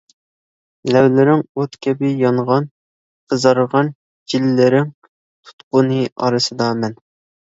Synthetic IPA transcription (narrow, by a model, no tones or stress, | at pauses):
lɛwlɪɾɪŋot̪kʲʰɛbɪjɑɴʁɑn | qʰəzɑɾʁɑn | d͡ʒilːɪɾɪŋ | t̪ʰu̥t̪qʊnɨɑɾɨsɨd̪ɑmɛn